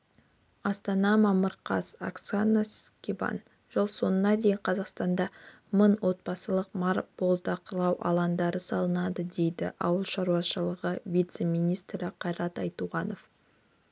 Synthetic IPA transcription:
ɑst̪ɑnɑmɑməɾqʰɑ̰sa̰ksanaskʲibɑ̰n | ʒəlˠso̞nənɑd̪e̞jɪɴqʰɑzɑqst̪ɑnd̪ɑ | mənwʔo̞t̪̚bɑsəlˠəq̚mɑɾb̥o̞lˠd̪ɑqʰəlˠɑwʔɑ̰lˠɑnd̪ɑɾəsɑlˠənɑd̪əd̪e̞jd̪ɪ̰ʔɑwəlˠʃɑɾuɑʃəlˠəʁəvʲijt̪se̞mʲijnijst̪ɾɪqʰɑjɾɑt̪ɑjt̪uʁɑno̞f

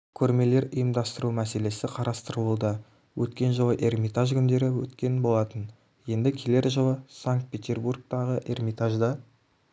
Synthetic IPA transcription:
kʲʰɵɾme̞le̞ɾəjəmd̪ɑst̪əɾumæse̞le̞sɪqʰɑɾʔɑst̪əɾəlud̪ə | wʔɵt̪kʲe̞nʒəlˠəʔe̞rmʲijt̪aʒkʲʰʏnd̪e̞ɾɪwɵ̰t̪kʲe̞nbo̞lˠɑt̪ən | je̞nd̪ɪkʲʰe̞le̞ɾʒəlˠəsaŋkt̪̚pʲet̪ʲe̞rburk̚t̪ɑʁəʔe̞rmit̪aʒd̪ɑ

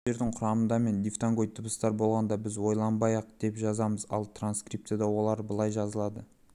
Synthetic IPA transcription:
ʒe̞ɾd̪ɪɴqʰʊɾɑmənd̪ɑme̞nd̪ift̪aŋɡo̞jt̪ʰːəbəst̪ɑɾbo̞lˠʁɑnd̪ɑbɪzwo̞jlˠɑnbɑjɑq̚d̪̥e̞pʒɑzɑməzɑ̰lˠt̪ranskrip̚t̪ead̪ɑwo̞lˠɑɾbəlˠɑjʒɑzəlˠɑd̪ə

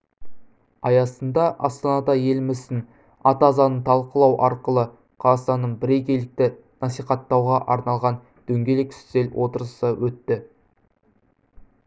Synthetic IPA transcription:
ɑjɑsənd̪ɑʔɑst̪ɑnɑd̪ɑje̞lɪmɪzɪn | ɑt̪ɑzɑnəɴt̪ʰɑlˠqəlˠɑwʔɑɾqəlˠə | qʰɑzɑst̪ɑnːəɴbɪɾe̞jkʲelɪk̚t̪ɪ | nɑsijqɑt̪ːɑwʁɑʔɑɾnɑlˠʁɑn | d̪̥ɵŋɡʲe̞lekʲɪ̥st̪ze̞lwʔo̞t̪əɾəsəwɵt̪ːɪ

